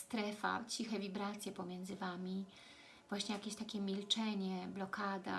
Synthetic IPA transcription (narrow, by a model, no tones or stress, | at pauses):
st̪ɾɛfa̰t͡ɕixɛvʲibɾat̪sʲjɛpɔmʲjɛnd̪zɘvamʲi | vwaɕɲɛjakʲeɕt̪akʲɛmʲilt͡ʂɛɲɛblɔkad̪a̰